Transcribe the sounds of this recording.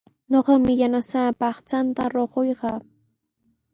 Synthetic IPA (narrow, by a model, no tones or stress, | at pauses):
ɲoɢɑmɪjanasaːpɑχt͡ʃant̪aɾoɢojɢɑː